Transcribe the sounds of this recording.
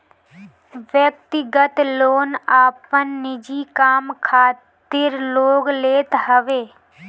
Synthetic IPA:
ʋjək̚t̪ɪɡət̪loːnaːpənːɪd͡ʒiːkaːmkʰaːt̪ɪɾloːɡleːt̪ɦəʋeː

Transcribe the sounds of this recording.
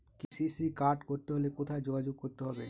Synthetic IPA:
kisisikaɾɖkoɾt̪eɦolekot̪ʰaed͡ʑoɡad͡ʑoɡ̚koɾt̪eɦɔbe

